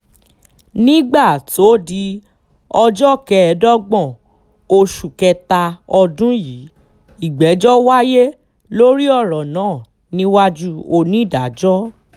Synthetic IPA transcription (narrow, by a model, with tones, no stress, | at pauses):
nĩ˦ɡ͡ba˦˨to˦di˧ | ɔ˧d͡ʒɔ˦˨kɛ˧ɛ˧dɔ˦ɡ͡bɔ̃˦˨ | o˧ʃu˨kɛ˧ta˧ɔ˧dũ˦ji˨˦ | i˨ɡ͡bɛ˨˦d͡ʒɔ˦wa˦je˦ | lo˦ɾi˦ɔ˦˨ɾɔ˨nãː˨˦˨ | nĩ˦wa˦d͡ʒu˦o˧nĩ˦i˦˨da˨˦d͡ʒɔ˦